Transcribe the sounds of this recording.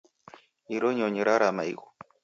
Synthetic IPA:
iɾoɲoɲiɾaɾama̰jɣo

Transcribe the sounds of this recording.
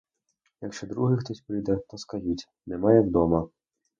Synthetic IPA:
jɐkʃɔd̪ɾuɦɪxt̪ɔsʲpɾɪjd̪ɛt̪ɔskɐʒitʲ | nɛmɑjɛwd̪ɔmɐ

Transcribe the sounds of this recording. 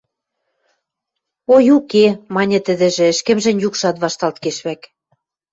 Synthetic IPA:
ojukemɑnʲɤ̆t̪ə̆d̪ɘ̆ʒĕɘ̆ʃkɘ̆mʒɘ̆nʲjukʃɑt̪βɑʃt̪ɑlt̪keʃβæk

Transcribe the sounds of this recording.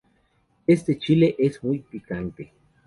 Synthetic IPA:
est̪et͡ʃileʔesmuik̚pikant̪e

